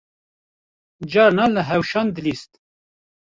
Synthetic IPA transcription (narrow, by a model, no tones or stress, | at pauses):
d͡ʒɑːɾnɑləɦɛwʃɑːnd̪ɨlist̪